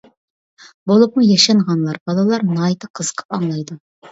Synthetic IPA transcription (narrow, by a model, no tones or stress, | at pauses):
bolˠup̚mɨjɑʃɑɴʁɑnlˠɑɾbɑlˠɑlˠɑɾnɑjt̪ʰɑqʰəz̥qʰə̥pɑŋlˠɑjd̪u